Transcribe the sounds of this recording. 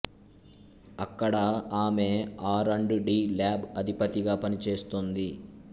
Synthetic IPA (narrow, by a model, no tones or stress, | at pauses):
ɐkːɐɽɐaːme̞ːaːɾɐɳɖuɖiːlaːbɐd̪ʱipɐt̪iɡaːpɐnit͡ʃe̞ːst̪ond̪i